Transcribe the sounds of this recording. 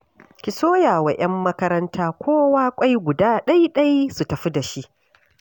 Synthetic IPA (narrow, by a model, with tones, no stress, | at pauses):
kʲɪ˨soː˦jaː˨wa˨ʔɐ˦mːɐ˦kɐ˦ɾɐ˦ntʰaː˦kʷoː˦waː˦kʷʼa˦jɡʷʊ˨daː˦ɗɐ˦jɗɐ˦jsu˨tɐ˨ɸi˦da˨ʃi˦ʔ